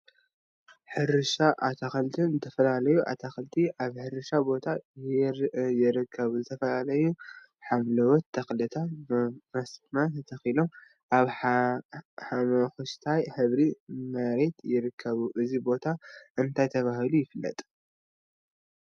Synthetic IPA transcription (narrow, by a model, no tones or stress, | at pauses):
ħɨɾɨʃaʔat̪ʰaxɐlt̪ʰɨnzɨt̪ʰɐfɐlalɐjuʔa̰t̪ʰaxɐlt̪ʰiʔaβħɨɾɨʃabo̞t̪ʰa | jɪɾɨkʰːɐβuzɨt̪ʰɐfɐlalɐju | ħamlɐwɔt̪ʰːɐxlɨt̪ʰamɐsmɐt̪ʰɐt̪ʰɐxilo̞m | ʔaβ | ħamɐxɨʃt̪ʰajħɨβɾimɐɾe̞t̪ʰjɪɾɨkʰːɐβuʔɨzibo̞t̪ʰaʔɨnt̪ʰajt̪ʰɐβahɨlujɪfɨlːɐ̰t̪ʼ